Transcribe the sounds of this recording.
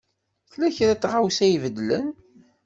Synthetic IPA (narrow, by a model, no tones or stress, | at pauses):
θlæçɾæt͡sːʁawsæjvəd̪ːlən